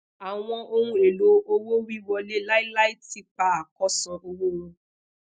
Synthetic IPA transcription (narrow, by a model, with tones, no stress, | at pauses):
a˨w̃ɔ̃˧ʔo˦ɾũ˧e˨lo˨˦ʔo˦wo˦ɾi˦wɔ˧le˦la˦i˦la˦i˦ti˦k͡pa˨a˨kɔ˦sɔ̃˧ʔo˧wo˦ɾõ˦